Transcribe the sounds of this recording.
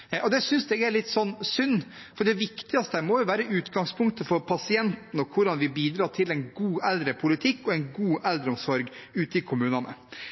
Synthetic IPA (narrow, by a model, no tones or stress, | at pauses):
ʔɔd̪ɛsʏnsd̪ɛɡæɭɪt̪ːsɔnːsʉnː | fɔɖɛʋɪkt̪ɪɑst̪əæmɔjʊʋæːɾəʔʉːt̪ɡɑŋspʰʊŋkt̪əfɔɾpʰɑsɪɛnt̪n̩ɔkʰʋʊɖɑnʋɪbiːd̪ɾɑːʈʰɪlɛɪnɡuːʔɛld̪ɾəpʰʊlɪt̪ʰɪkːɔɛɪnɡuːʔɛld̪ɾəɔmsɔɾɡʉːt̪əɪkʰʊmʉːnɑnə̰